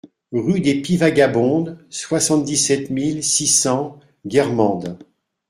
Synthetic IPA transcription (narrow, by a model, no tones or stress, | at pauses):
ʁyd̪epivaɡabɔ̃d̪swasɑ̃t̪̚d̪isɛt̪milsisɑ̃ | ɡʲɛʁmɑ̃d̪